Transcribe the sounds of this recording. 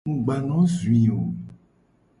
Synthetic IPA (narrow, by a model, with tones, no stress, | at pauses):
ũ˦ɡ͡ba˨nɔ̃˦zu˨ĩ˨o˨